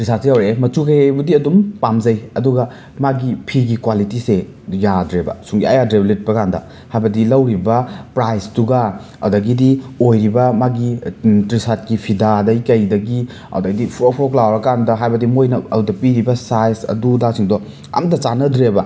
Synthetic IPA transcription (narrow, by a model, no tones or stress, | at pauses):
tɾisatsijawɾeemɐtukɐjejbɐdiɐdumpamzɐjɐduɡɐ | maɡipʰiɡikwalitise | jadɾebɐ̰suŋɡiɐjadɾeblet̚pɐkandɐ̰ | hajbɐdilɐwɾibɐpɾajsduɡɐ | ɐ̰wdɐɡidiojɾibɐmaɡitɾisat̚kipʰidadɐikɐjdɐɡi | ɐ̰wdɐɡdipʰɾpʰɾoklawɾɐkandɐɦajbɐdimojnɐɐ̰udɐpiɾibɐsajsɐ̰dudasiŋdɔ | ɐ̰mtɐt͡ʃanɐdɾebɐ